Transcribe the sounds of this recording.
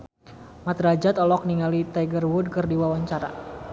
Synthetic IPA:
mat̪ɾad͡ʒat̪ɔlɔk̚niŋalit̪aɡərwud̚kɨrdiwawaɲt͡ʃaɾa̰

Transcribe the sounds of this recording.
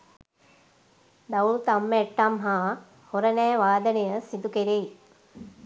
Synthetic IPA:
d̪ɐulut̪amːəɛʈːamɦaː | hoɾənɛːʋaːd̪ənejəsid̪ukeɾej

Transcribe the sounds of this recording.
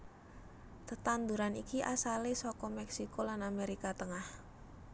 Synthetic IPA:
t̪ət̪and̪uɾanikiʔasalesɔkɔmɛksikolanameɾikat̪əŋah

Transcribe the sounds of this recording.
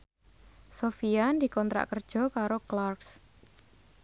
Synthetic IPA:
sofiand̪i̤kɔnt̪ɾa̰ʔkərd̥ʒ̥ɔ̤kaɾoklarks

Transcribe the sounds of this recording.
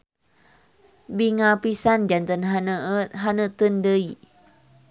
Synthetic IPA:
biŋapisand͡ʒant̪ən | ɦanət̪əndəi

